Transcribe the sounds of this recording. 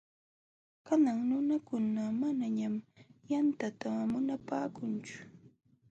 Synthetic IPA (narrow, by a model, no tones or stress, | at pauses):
kanaŋnʊnakʊnamanaɲamjant̪at̪amʊnapaːkʊnt͡ʃʊ̥